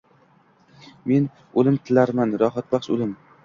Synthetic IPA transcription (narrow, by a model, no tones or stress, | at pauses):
me̞n | olɪmt̪ʰɪlaɾmanɾɒɦat̪̚baχʃo̰lɪm